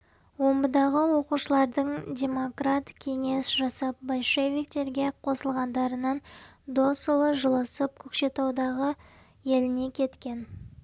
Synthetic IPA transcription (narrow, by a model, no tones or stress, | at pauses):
wo̞mbəd̪ɑʁəwo̞quʃəlˠɑɾd̪əɴdʲe̞mo̞krat̪kʲʰe̞ŋe̞sʒɑsɑp̚bɑlʃe̞vʲik̚t̪e̞ɾɡʲe̞qʰo̞səlˠʁɑnd̪ɑɾənɑnd̪o̞səlˠəʒəlˠəsəp̚kʲʰɵkʃe̞t̪ɑwd̪ɑʁə | je̞lɪne̞kʲʰe̞t̪kʲe̞n